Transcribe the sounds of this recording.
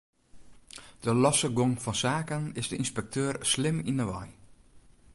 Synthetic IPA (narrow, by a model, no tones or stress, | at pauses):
d̥əlɔsəɡoŋfɔnsaːkənɪsdəinspɛk̚tʰøːrslɪminəʋɔ̰j